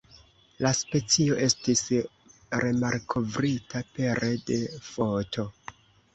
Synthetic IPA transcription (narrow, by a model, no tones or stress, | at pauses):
laspe̞t͡sio̞ʔe̞stis | ɾe̞maɾkʰo̞vɾitʰape̞ɾʔede̞fo̞tʰo̞